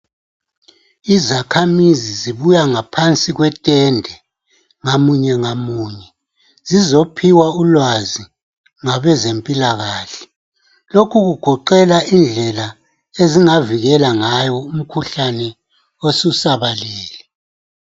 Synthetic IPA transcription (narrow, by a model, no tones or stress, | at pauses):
izakʰamiziziβujaŋapʰant͡sʼiɣwɛtʼɛndʱɛ | ŋamuɲɛŋamuɲɛ | zizopʰiwaulwazi | ŋaβɛzempʼilaɣaːɬɛ̥ | lokʰuɣuɡ̥ʱɔǃɛlaʔind͡ɮʱɛla | eziŋaviɣɛlaŋajɔum̩kʰuɬanɛ | osusaβalɛːlɛ